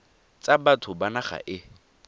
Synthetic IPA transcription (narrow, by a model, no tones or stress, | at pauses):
t͡sabatʰʊbanaχa̰ʔɪ